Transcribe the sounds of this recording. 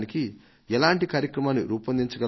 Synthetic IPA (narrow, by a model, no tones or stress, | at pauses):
niki | ɛlaːɳʈikaːɾjɐkɾɐmaːnːḭɾuːpɐnd̪iɲt͡ʃɐɡɐ